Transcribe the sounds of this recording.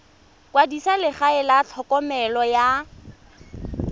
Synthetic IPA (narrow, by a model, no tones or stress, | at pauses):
kwadisalɪχaɪlat͡ɬʰɔkɔmɛlɔja